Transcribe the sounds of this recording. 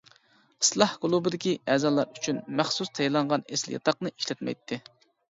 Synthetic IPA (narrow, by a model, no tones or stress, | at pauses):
ɨ̥slˠɑhɡʊlˠubɨd̪ɪkʲiɛzɑlˠːɑɾyt͡ʃʰynmæχsust̪ʰɛjlˠɑɴʁɑneslɪ̰jɑ̰t̪ʰɑqnɨi̥ʃlɛt̪mɛ̰jt̪ʰːɪ